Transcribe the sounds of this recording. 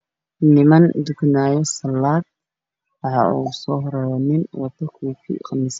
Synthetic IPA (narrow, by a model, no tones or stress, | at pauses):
nɪmɐnd̪ʊknaːjɔsɐlːaːd̪̚ | wɑħɑ̰ʔṵsɔːhɾɛnɪnwɑt̪ɐkʰuːkʰḭːqɑmɪs